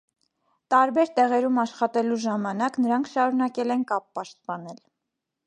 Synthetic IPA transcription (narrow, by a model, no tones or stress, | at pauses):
t̪ɑɾbɛɾt̪ɛʁɛɾumɑʃχɑt̪ɛluʒɑmɑnɑknəɾɑŋkʰʃɑɾunɑkɛlɛnkɑpːɑʃt̪̚pɑnɛl